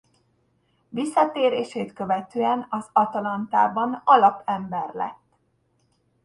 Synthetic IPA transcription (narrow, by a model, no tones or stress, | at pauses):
visːɒt̪eːɾeːʃeːt̪kø̞vɛt̪øːɛnɒzɒt̪ɒlɒnt̪a̰ːbɒnɒlɒpɛmbɛrlɛ̰t̪ː